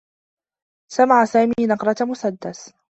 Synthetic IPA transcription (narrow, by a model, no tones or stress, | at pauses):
samaʕasaːmiːnɑqɾˤɑmʊsad̪ːas